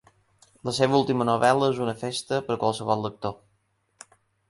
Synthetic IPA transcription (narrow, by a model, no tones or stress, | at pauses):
ləseβəulˠt̪imənuβɛləezunəfest̪əpəɾkwəlˠsəβɔlˠːək̚t̪o